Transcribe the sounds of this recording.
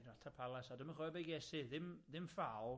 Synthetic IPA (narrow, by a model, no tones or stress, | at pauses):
dɔtʰapʰalˠɛsɔdəmanχɔɛbejɡɛsɨðɪmðɪmfalˠ